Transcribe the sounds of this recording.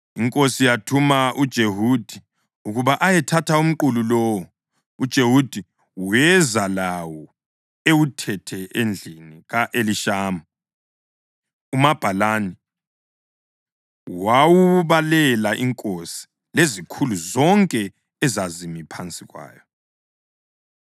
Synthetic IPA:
iŋkʼosijatʰumaʔud̥ʒ̥ʱeɦud̥ʱi | uɣuβaʔajɛtʰatʰaum̩ǃululɔːwɔ | ud̥ʒ̥ʱeɦud̥ʱi | wɛzalawɔ | ewutʰɛtʰɛend͡ɮʱiniɣaʔeliʃaːma | umab̥ʱalani | wawuβalɛlaʔiŋkʼosi̥ | lezikʰuluzɔŋkʼɛ | ɛzazimipʰant͡sʼiɣwa̰ːjɔ

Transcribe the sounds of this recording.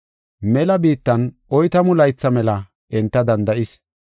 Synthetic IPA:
mɛlɐbiːt̪ːɐnʔɔjt̪ɐmʊlɐjt͡sːɐmɛlɐ | ʔɛnt̪ːɐd̪ɐnd̪ɐʔɪs

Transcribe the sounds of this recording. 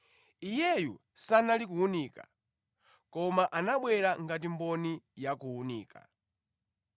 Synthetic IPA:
ijɛju | sanalik̬uuniːka̰ | kɔmaʔanaɓwɛɾaŋɡat̬imbɔnijakuːnḭːkʰa̰

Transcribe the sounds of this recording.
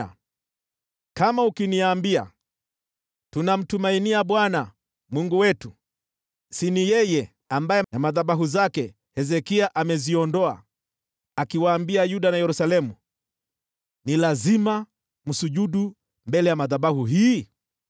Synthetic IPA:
a | kamaukiniambia̰ | tunam̩tumainiaɓwana | mwuŋɡuwɛtu | sinijɛjɛ | ambajɛnamaðaɓaɦuzakɛ | hɛzɛkiaʔamɛziɔndɔa̰ | akiwaːmbiajuɗanajɛɾusalɛmu | nilazima | m̩suʄuɗu | mbɛlɛjamaðaɓahuɦiː

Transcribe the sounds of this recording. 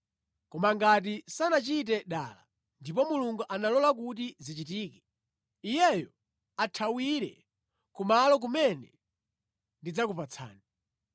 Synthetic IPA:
kɔmaŋɡat̬isanat͡ʃit̬ɛɗa̰ːla | ndip̬ɔmuluŋɡuʔanalɔlakut̬izit͡ʃitiːkɛ̥ | ijɛjɔ | atʰawiɾɛ̰ | kumalɔk̬umɛnɛ | ndid͡zakupat͡sʰa̰ːni

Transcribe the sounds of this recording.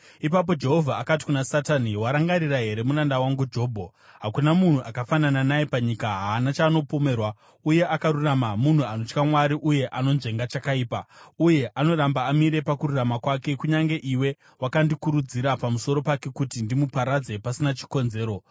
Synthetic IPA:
ipap̬o̞d͡ʒe̞ɦo̞vʱaːkati̥kunasataniwaɾaŋɡaɾiraɦe̞ɾe̞murandawaŋɡud͡ʒo̞ːbʱo | ɦakunamun̤uʔakafanananajepaɲikaɦaːnat͡ʃaːno̞po̞me̞ːrwa | uje̞ʔakaɾuramamun̤uano̞t͡ʃkamwaɾiʔuje̞ʔano̞nʐe̞ŋɡat͡ʃakaiːpauje̞ʔano̞rambaːmiɾe̞pakururamakwake̞kuɲaŋɡe̞ʔiwe̞ | wakandikuɾud͡ziɾapamuso̞ɾo̞pake̞kutindimupaɾad͡ze̞pasinat͡ʃi̥ko̞nze̞ːɾo̞

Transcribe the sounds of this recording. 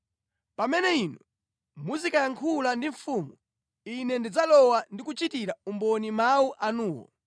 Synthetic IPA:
pamɛnɛinɔ | muzikajaŋkʰulandiɱfuːmu | inɛndid͡zalɔwandikut͡ʃitiɾaumbɔnimauʔanuːwɔ̰

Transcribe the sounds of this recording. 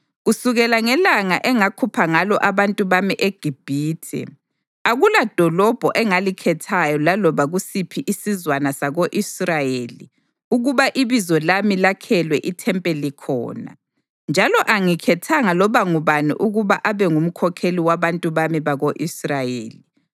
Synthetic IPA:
ɣusuɣɛlaŋɛlaŋaʔɛŋakʰupʰaŋalɔʔaβantʼuβamiʔeɡ̥ʱib̥ʱiːtʰɛ̰ | aɣulad̥ʱɔlɔb̥ʱɔʔɛŋalikʰɛtʰajɔlalɔβaɣusipʰiʔisizwanasaɣoʔisrajeːli | uɣuβaʔiβizɔlamilakʰɛlwɛʔitʰɛmpʼɛlikʰɔ̰ːna̰ | nd͡ʒʱalɔʔaŋikʰɛtʰaŋalɔβaŋuβanḭʔuɣuβaʔaβɛŋum̩kʰɔkʰeliwaβantʼuβamiβaɣoʔisrajḛːli

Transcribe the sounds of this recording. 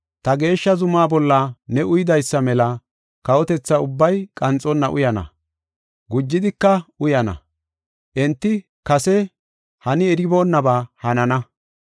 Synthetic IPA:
t̪ɐɡe̞ːʃːɐzʊmaːbɔlːɐnɛʔʊjɪd̪ɐjsːɐmɛlɐ | kɐwɔt̪ɛt͡sːɐʊbːɐjkʼɐnt͡sʼːɔnːɐʔʊ̰jɐnɐ̰ | ɡʊd͡ʒːɪd̪ɪkːɐʊjɐnɐ̰ | ʔɛnt̪ːɪ | kɐsɛ | hɐnɪɛɾɪbo̞ːnːɐbahɐnɐnɐ

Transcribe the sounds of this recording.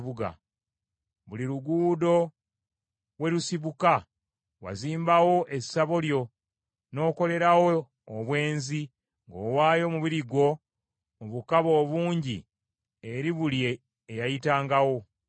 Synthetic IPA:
βuɡa̰ | βuliɾuɡuːdo̞ | we̞ɾusiβuka | wa̰ziːmbawo̞ʔe̞saβo̞ljo̞ | no̞ːko̞le̞ɾawoː | βwe̞ːnzi | ŋɡoːwaːjo̞muβiɾiɡo̞ | muβukaβo̞ːβuːɲɟḭ | eɾiβuljeː | jajitaːŋɡawo̞

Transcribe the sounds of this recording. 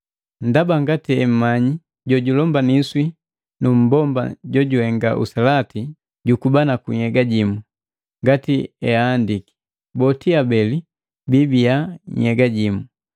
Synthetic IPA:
n̩dabaŋɡatiɛm̩maɲi | ɟɔɟulɔmbaniswi | num̩bɔmba̰ɟɔɟuhɛŋɡa̰ʔṵsalati | ɟukubanakuɲɛɡaɟimu | ŋɡatiɛaːndiki̥ | bɔtiabɛli | bibijaɲɛɡaɟimu

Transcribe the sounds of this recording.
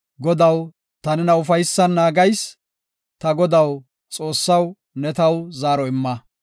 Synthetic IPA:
ɡɔd̪ɐw | t̪ɐnɪnɐʊfɐjsːɐnːaːɡɐjs | t̪ɐɡɔd̪ɐw | t͡sʼo̞ːsːɐw | nɛt̪ɐwzaːɾɔɪmːɐ

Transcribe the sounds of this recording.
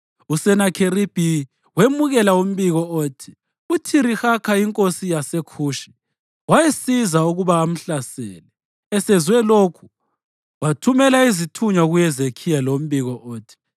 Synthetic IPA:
usɛnakʰerib̥ʱi | wemuɣɛlaum̩βiɣɔoːtʰi̥ | utʰiɾixakʰaiŋkʼosijasekʰuːʃi̥ | wajesizauɣuβaːm̩ɬasɛ̰ːlɛ | ɛsɛzwɛlokʰu̥ | watʰumɛlaizitʰuɲaɣujɛzekʰijalom̩βiɣɔʔoːtʰi̥

